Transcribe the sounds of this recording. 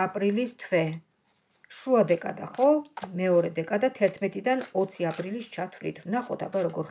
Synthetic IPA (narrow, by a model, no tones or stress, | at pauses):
apʼɾilist̪ʰvɛ | ʃuad̪ɛkʼa̰d̪a̰χɔmɛɔɾɛd̪ɛkʼad̪at̪ʰɛɾt̪ʰmɛt̪ʼid̪anɔt̪sʰiapʼɾilist͡ʃʰat̪ʰvlḭt̪ʰvnaχɔt̪ʰa̰baɾɔɡɔɾ